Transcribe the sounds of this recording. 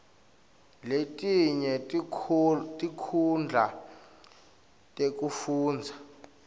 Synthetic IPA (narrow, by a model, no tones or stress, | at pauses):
letʼiɲɛ | tʼikʰund͡ɮʱa | tʼek̬ʼufuːnd͡zʱa